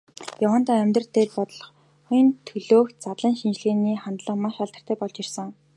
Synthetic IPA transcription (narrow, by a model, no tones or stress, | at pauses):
jawə̆n̥t̪aːæmʲt̪rə̆rt̪ʰeːtpɔt̪ɞ̆ɮɞ̆χ | χʊj̆nt̪ʰɵɮoːxt̪̚t͡sat̪ɮə̆ŋʃint͡ɕɮeːniːχant̪ɮə̆qmaʃaɮt̪ə̆r̥t̪ʰæːpɔɮt͡ɕirsə̆ŋ